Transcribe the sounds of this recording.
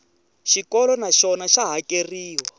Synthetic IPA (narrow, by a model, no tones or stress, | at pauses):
ʃikɔlɔnaʃɔnaʃaɦakeriːwa